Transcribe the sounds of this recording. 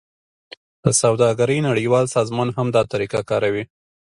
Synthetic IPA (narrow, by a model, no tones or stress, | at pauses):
d̪̥əsawd̪ɑɡaɾəjnaɽəjwɑlsɑzmɑnhamd̪ɑt̪aɾikakɑɾawi